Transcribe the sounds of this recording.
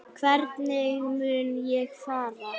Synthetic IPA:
kʰvɛɾt̪nɪɣɣmʏːnjɛɣfaːɾa

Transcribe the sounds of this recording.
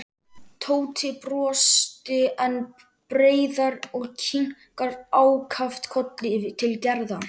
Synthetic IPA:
t̪ʰoːwt̪ʰɪpɾɔːst̪ɪɛn | pɾeːjðaɾɔɣcʰiŋ̥kaɾaːwkʰaft̪kʰɔt̪lɪvɪt̪ʰɪlcɛɾða

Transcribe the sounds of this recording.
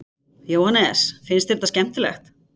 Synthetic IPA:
joːwhanɛsfɪnst̪ɛɾt̪ascɛm̥t̪ɪlɛ̰xt̪

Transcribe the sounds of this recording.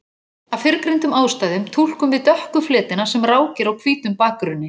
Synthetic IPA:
awfɪɾkɾejnt̪ʏmaːwst̪aːjðʏmt̪ʰul̥kʏmvɪðt̪œhkʏflɪːt̪ɪnasɛmraːwcɪɾawkʰviːt̪ʏmpaːkɾʏnːɪ

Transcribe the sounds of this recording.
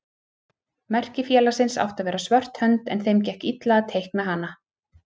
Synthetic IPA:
mɛr̥cɪfjɛːlasɪnsa̰wht̪aðvɛːɾasvœr̥t̪hœnt̪ɛ̰nθejmcɛhcit̪laaðt̪ʰejhkmɛɦanːa

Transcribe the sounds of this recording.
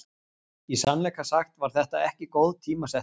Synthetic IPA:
isanlɛjkasaxt̪vaɾ̥θɛht̪aɛhcɪkowðt̪ʰiːmasɛ

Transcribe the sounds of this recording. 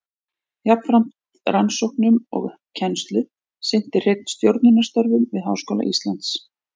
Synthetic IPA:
japnfɾam̥t̪ | ransowhknʏmɔ̰ɣ | cʰɛnst̪lʏ | sɪn̥t̪ɪr̥ejt̪̚n̥st̪jowɾt̪nʏnast̪œɾvʏmvɪðɦa̰wskɔːla̰ʔist̪lant̪s

